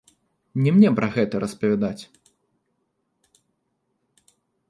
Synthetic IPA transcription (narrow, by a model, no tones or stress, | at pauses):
nʲɛmnʲɛpɾɐɣɛt̪ɐɾʔɐspɐvʲad̪at͡sʲ